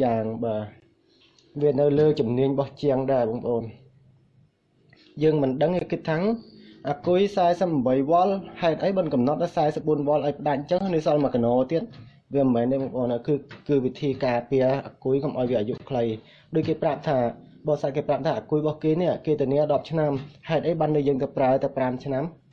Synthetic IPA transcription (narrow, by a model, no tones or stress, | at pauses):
aːŋɓaː | ʋiənɨwləːt͡ɕumniəɲɓɑht͡ɕiəŋɗaɛɓɑːŋpə̆ʔoːn | jəːŋmɨnɗəŋikɨt̪ʰːaːŋʔaːkujsaɛsəp̚ɓəjʋŏəlhaɛt̪̚ʔəjɓɨnkɑmnɑt̪̚ʔɨsaɛsəp̚ɓuənʋŏəlʔaɔjpə̆ɗac̚t͡ɕəŋnɨsɑlmakanɔːt̪iət̪̚ | ʋiəmmɛːnɗ̪ɛɓɑːŋpə̆ʔoːnəkɨːkɨːʋit̪ʰiːkaːpiəʔaːkujkomʔaɔjʋiəaːjuʔkʰləj | ɗoːc̚keːprap̚t̪ʰaː | ɓɑːsakeːprap̚t̪ʰaːʔaːkujɓɑhkeːniəʔkeːt̪ɨəniəɗɑp̚t͡ɕʰnamhaɛt̪ʔəjɓaːnɗɨjəːŋt̪apraət̪awpramt͡ɕʰnam